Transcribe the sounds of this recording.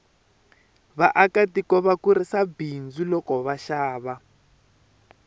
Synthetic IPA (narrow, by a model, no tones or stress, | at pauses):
βaʔakatikɔβakuɾisabind͡zulɔkɔβaʃaːβa